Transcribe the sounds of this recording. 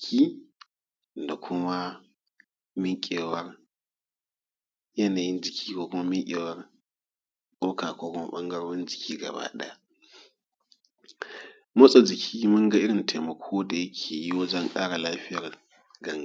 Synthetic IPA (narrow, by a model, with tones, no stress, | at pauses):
kʲiː˦ | da˨kʷʰʊ˦ma˦ | mɪ˦ŋkʲʼeː˨wɐ˦r | jɐ˦naː˨ji˦nd͡ʒɪ˨kʲiː˦kʷoː˦kʷʊ˦ma˦mɪ˦kʲʼeː˨wɐ˦r | kʼoː˦kaː˨kʷoː˦kʷʊ˦ma̰˦ɓɐ˦ŋɡɐ˦ɽoː˦nd͡ʒɪ˨kʲʰiː˦ɡɐ̰˨ba̰ː˦ɗɛ̰˦a˦ | mɐ˦sʼa˨d͡ʒɪ˨kʲʰiː˦mʊ˦ŋɡa˦ʔɪ˦ɽɪ˨nte˨mɐ˨kʷʰoː˦da˨jɐ˦kʲʰeː˨ji˦wɐ˦d͡ʒɔ˦ŋkʼaː˦ɽa˨laː˦ɸɪ˦jɐ˨r | ɡɐ˦ŋ˨